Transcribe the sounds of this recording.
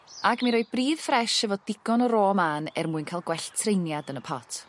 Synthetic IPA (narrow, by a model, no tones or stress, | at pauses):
aɡmiɾoj̚briːð̥frɛʃɛvɔdɪɡ̥ɔnɔɾoːmaːnɛrmuːɨnkʰalˠɡwɛɬtʰrejnjadənəpʰɔtʰ